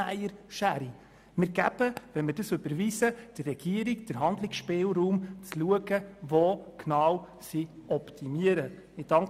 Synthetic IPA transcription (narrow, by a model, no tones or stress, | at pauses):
æjəɾʃæɾi | mɪɾɡæb̥əvɛnmədəsʏb̥əɾviːsəd̥ərːɛɡ̥iəɾikd̥əɾɦɑnd̪lɪksʃpɪːlɾuːmt͡sluəɡəvoːknɑw | siɔptʰimiəɾə | ɪd̥ɑŋ